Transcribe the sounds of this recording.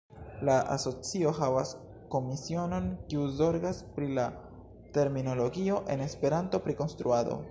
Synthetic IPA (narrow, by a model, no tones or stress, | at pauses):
laʔa̰so̞t͡sio̞ɦavas | ko̞misio̞no̞nkiuzo̞ɾɡaspɾila | te̞ɾmino̞lo̞ɡio̞ʔe̞ne̞spe̞ɾanto̞pɾiko̞nstɾuado̞̰